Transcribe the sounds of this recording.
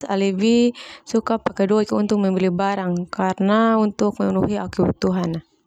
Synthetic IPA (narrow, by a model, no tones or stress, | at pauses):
sa̰libisukapakɛdɔakunt̪ʊk̚mɛmbilibaɾaŋkarnaunt̪ʊk̚mɛŋunuɦiakiwut̪uɦana